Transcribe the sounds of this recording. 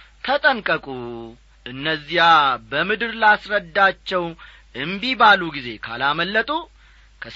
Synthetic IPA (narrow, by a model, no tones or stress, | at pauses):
kʰət̪ʼəŋkʼəkʼu | ʔɨnːəzːijabəmɨd̪ɨɾlasɾəd̪ːat͡ʃːɛw | ʔɨmbibaluɡize̞kʰa̰laməlːət̪ʼu | kʰə